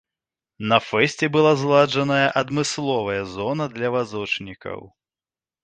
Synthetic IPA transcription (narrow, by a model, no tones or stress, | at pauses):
nɐfɛsʲt͡sʲɛbɨlˠazlˠad͡ʐɐnɐjɐʔɐd̪mɨslˠɔvɐjɐzɔnɐd̪lʲɐvazɔt͡ʂnʲikɐ̰w